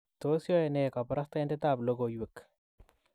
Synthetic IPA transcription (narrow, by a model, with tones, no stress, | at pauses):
to˦sjɔ˦e˨ne˨ka˨pɾa˦sta˦jnde˦ta˦˨blo˦ɡo˨jwe˨k